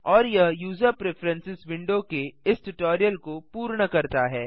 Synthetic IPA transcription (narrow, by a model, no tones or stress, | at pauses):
ɔːɾjɐɦjuːzəɾpɾefʰɾɛ̃nsɪsʋɪ̃ɳɖokeɪsʈʊʈɔːɾijəlkopuːɾɳ̃əkɐɾt̪aɦɛː